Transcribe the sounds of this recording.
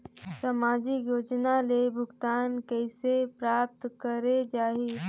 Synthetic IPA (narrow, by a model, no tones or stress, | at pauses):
səmaːd͡ʒikjoːd͡ʒnalebʱʊɡt̪aːnkɛɪsepɾaːp̚t̪kəɾed͡ʒaːɦi